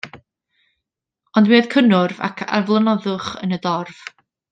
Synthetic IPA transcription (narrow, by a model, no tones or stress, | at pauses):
ɔndwiːð̥kʰənʊrva̰kʰa̰vlˠənɔðʊχə̰nədɔrv̥